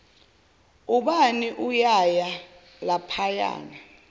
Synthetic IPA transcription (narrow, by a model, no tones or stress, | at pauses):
uɓaniʔujaja | lapʰaja̰ːna